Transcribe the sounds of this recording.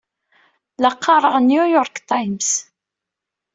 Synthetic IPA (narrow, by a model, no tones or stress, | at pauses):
lɑqːɑɾˤəʁnjujɔɾkt̪ajms